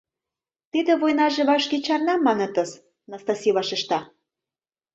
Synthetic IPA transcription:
t̪id̪ĕβojnɑʒĕβɑʃket͡ɕɑrnɑmɑnɤ̆t̪ɤ̆s | nɑst̪ɑsʲiβɑʃĕʃt̪ɑ

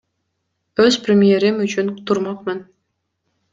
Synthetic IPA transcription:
ɵzprʲɪmʲijeɾɪmyt͡ʃʰynt̪ʰuɾmɑqmɨn

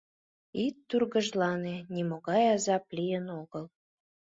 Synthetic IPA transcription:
it̪ːurɣəʒlɑnenʲimoɣɑjɑzɑplijənoɣəl

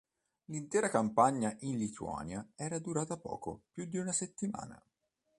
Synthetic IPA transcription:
lint̪ɛːɾakampaɲːaʔinlit̪ʰua̰ːnjaɛːɾad̪uɾaːt̪apɔ̰ːko̰pjud̪ːiunaset̪ːima̰ːna̰

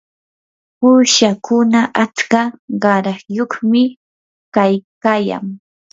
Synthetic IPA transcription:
puːʃakʊnaʔat͡skaɢɑɾɑχjoχmɪ | kajkaːja̰ŋ

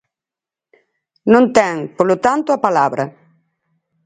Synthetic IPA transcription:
nõnt̪ɛŋpolʊt̪ant̪ʊapalaβɾɐ

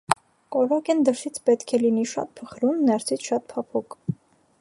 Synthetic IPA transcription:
kɔɾɔkɛnd̪əɾsit͡sʰpɛt̪kʰɛliniʃɑ̰t̪̚pʰəχɾunːɛɾt͡sʰit͡sʰʃɑt̪̚pʰɑpʰuk

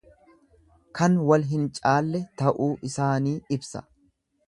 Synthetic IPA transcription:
kɐnwɐlɦɪnt͡ʃʼaːlːɛt̪ɐʔuːʔɪsaːniːɪbsɐ̥̰

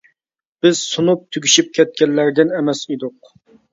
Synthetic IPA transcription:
b̥ɪz̥sunup̚t̪ʰyɡʲiʃip̚kʲʰɛt̪̚kʲɛlːæɾd̪ɪnɛmɛsid̪ʊq̚

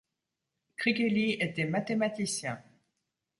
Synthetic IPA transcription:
kχikeliet̪ɛmat̪emat̪isjɛ̃

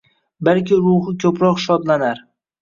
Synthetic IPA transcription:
balkʲɪɾʊhɪkʲʰɵpɾɒqʃɒd̪lanaɾ

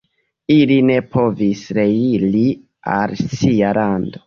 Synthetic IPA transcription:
iline̞pʰo̞visɾe̞ili | a̰lsialʔando̞

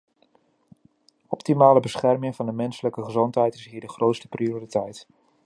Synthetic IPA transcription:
ɔptimaːləbəsχɛrmɪŋvɑndəmɛnsələkəχəzɔntɦɛjtɪsɦiːɹdəχrʔowtstə̥prioritɛjt

